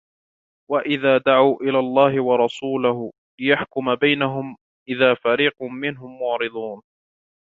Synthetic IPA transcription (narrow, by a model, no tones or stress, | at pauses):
waʔɪðaːd̪aʕawʔɪlaːlˤːɑːɦɪwɑɾˤɑsuːlah | lɪjaħkʊmabajnaɦʊm | ʔɪðaːfaɾiːqmɪnɦʊmːʊʕɾɨd̪ˤuːn